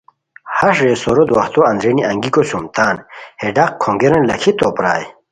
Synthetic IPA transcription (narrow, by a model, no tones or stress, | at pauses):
hɐʂɾesoɾod̪wɐxt̪oɐnd̪ɾeniʔɐŋɡikosumt̪aːnheɖaqkʰoŋɡeɾɐnlɐkʰit̪oːpɾa̰ːj